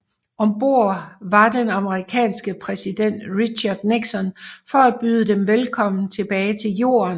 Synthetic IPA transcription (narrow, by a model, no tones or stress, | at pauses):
ɒ̽mb̥o̝ɐ̰ʋɑ̈d̥enɑ̈məʁikʰɛ̰ːnsɡ̥əpʰʁɛsid̥en̰d̥ʁiɕɑ̈d̥neɡ̥sɒ̽nfɒ̽æ̥b̥yːð̞ˠəd̥emʋelkʰɒ̽m̰n̩t͡sʰe̝b̥ɛːɪt͡sʰe̝ljo̝̰ːɐn